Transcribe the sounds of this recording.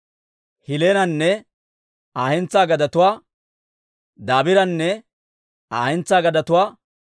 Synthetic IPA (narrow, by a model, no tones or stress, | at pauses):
hɪleːnɐnːɛ | aːɛnt͡sːaːɡɐd̪ɐt̪ʊwaː | d̪aːbɪɾɐnːɛ | aːhɛnt͡sːaːɡɐd̪ɐt̪ʊwaː